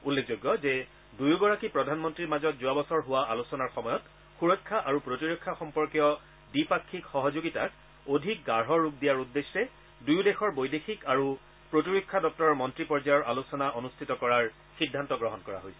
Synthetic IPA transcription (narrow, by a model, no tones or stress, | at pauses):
ulːek̚ʰzoɡːɔzɛ | dujuɡɔɹakipɹɔdʱanmɔntɹiɹmazɔt̚zʊabɔsɔɹɦʊwaʔalusɔnaɹxɔmɔjɔt | xuɹɔjkʰːaʔaɹupɹotiɹokʰːaxɔmpɔɹkijɔ | dipakʰːikxɔɦɔzoɡita̰k | odʱik̚ɡaɹɦɔɹːuk̚dijaɹudːesɹɛ | dujudɛxɔɹbojdexikaɹu | pɹotiɹokʰːadɔk̚tɔɹɔmɔntɹipɔɹzajɔɹʔalusɔnaʔonustʰitɔkɔɹaɹ | xidʱːantɔɡɹɔɦɔnkɔɹa̰ɦojsɛ̥